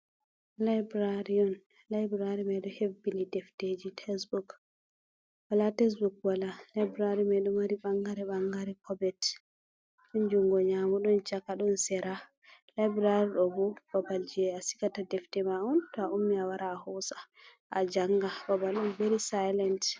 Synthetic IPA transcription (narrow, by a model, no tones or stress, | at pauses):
lajbɾaɾiɔn | lajbɾaɾimɛjɗɔhefbilidɛfted͡ʒitʰɛsbuk | walatɛs̬bukwalalajbɾaɾimɛjɗumaɾiɓaŋɡaɾɛɓaŋɡaɾɛkʰɔbɛt | ɗɔnd͡ʒuŋɡɔɲamuɗɔnt͡ʃakaɗɔnsɛɾa | lajbɾaɾiɗɔbub̥ɔbald͡ʒiɛasi̥katadɛftɛmaʔɔntɔaʔumːiawaɾʔaːhɔsḁ | ʔad͡ʒaŋɡababalɗɔmbeɾisajlant